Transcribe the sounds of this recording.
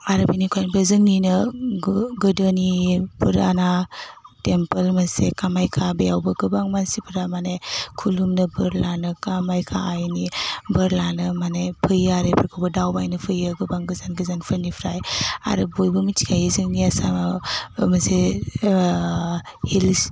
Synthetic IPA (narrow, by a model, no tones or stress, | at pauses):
aɾɯbanikʰajnbɯzɯŋninɯ | ɡɯdənipʰɯɾa̰natempelmasekamajkʰabejawbɐɡɯbaŋmansipʰɯɾamanajkʰulumnɯbɯɾlanɯkamajkʰa̰ajnibɯɾlanɯmanajpʰɯjaɾepʰɯɾkʰɯwbɯdawbajnɯpʰɯjɯɡɯbaŋɡɯzanɡɯzanpʰɯɾnipʰɾaja̰ɾɯbojbɯmitʰi̥kʰajizɯŋniasa | mɐse | hil